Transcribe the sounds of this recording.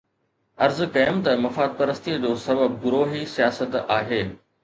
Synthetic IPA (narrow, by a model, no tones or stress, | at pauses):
ɐɾzkɐjəmt̪ɐmɐfaːd̪̚pɐɾəst̪iəd͡ʑoːsɐbəbɡʊɾoːɦisijaːsət̪aːɦeː